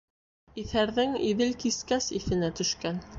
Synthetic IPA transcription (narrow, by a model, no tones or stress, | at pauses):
iθæɾðɘŋiðɘlkiskæsiθɘ̆næt̪ɵ̆ʃkæn